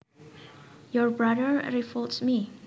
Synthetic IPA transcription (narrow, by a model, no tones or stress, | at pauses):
jɔɹbɹadəɹɹifɔltsmi